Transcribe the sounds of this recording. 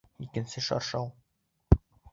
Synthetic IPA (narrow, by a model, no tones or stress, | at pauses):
ikɘ̆nsɘʃɑ̰ɾʃɑwˠ